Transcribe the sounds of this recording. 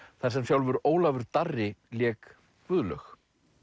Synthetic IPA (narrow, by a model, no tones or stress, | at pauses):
θaɾ̥sɛmsjawlvʏɾoːwlavʏɾt̪arːɪljɛːk | vʏðlœ̰x